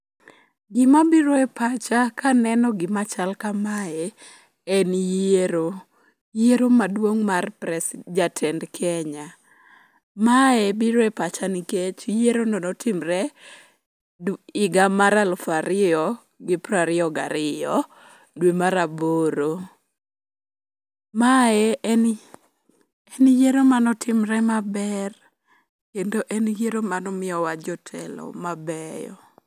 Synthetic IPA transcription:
ɡɪmabiɾwɛpat͡ʃakʰanɛnɔɡɪmat͡ʃalkamaɛ | ɛnjeɾo | jeɾomadwoŋmarpɾɛsd͡ʒatʰɛndkʰɛɲa | maɛbɪɾwɛpat͡ʃaniket͡ʃjeɾononɔtʰɪmɾɛ | ɪɡamaɾalfaɾɪɔ | ɡɪpraɾɪɔɡa̰ɾɪjɔ | dwemaɾaboɾo | maeɛn | ɛnjeɾomanɔtʰɪmɾɛmabɛr | kendoʔɛnjeɾomanɔmɪɔwad͡ʒɔtʰɛ̰lɔ̰mabɛjɔ̰

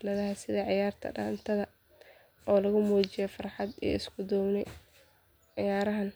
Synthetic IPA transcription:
lɐðɐɦɐsɪðɐʕɪjaːrt̪ʰɐ̰ɖa̰ːnt̪ʰɐðɐ | ɔːlɐɣʊmɔːt͡ʃɪjɛfɑrħɑd̪ḭːɪskʰʊd̪ɔːbnɛ | ʕɪjaːɾɐɦɐn

